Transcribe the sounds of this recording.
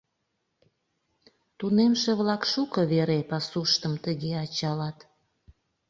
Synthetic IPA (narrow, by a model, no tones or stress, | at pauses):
t̪unemʃeβlɑkʃukəβeɾepɑsuʃt̪əmt̪əɣeɑt͡ɕɑlɑt̪